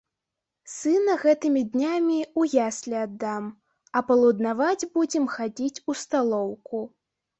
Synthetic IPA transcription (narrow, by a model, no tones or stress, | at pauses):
sɨnɐɣɛt̪ɨmʲid̪ʲnʲamʲiujasʲlʲad̪ːam | ɐpɐlˠud̪navad͡zʲbud͡zʲɛmxad͡zʲit͡sʲust̪alˠɔwku